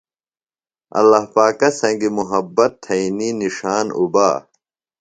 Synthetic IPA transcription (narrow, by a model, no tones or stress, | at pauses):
ɐ̰lːahpaːkɐsɐ̃ŋɡimuɦɐbːɐt̪ʰːɐininiʂaːnṵbaː